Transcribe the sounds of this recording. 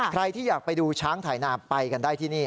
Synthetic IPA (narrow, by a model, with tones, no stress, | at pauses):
kʰɾa˧jt̪ʰiː˥˩jaː˨˩k̚pa˧jduː˧t͡ɕʰaː˦˥ŋt̪ʰaː˩˦jnaː˧˩pa˧jka˧ndaː˥˩jt̪ʰiː˥˩niː˥˩